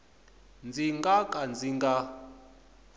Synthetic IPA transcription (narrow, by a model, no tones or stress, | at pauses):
nd͡ziŋɡakʼand͡ziŋɡa